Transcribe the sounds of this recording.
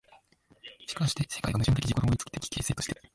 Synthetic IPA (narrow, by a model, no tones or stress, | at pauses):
ɕi̥kaaɕi̥t̪e̞se̞kaiɡamɯ̟ʑĩnt̪ekʲiʑikoɾõoit͡sɨ̥ki̥t̪ekʲi̥kʰe̞ːse̞ːt̪oɕi̥t̪e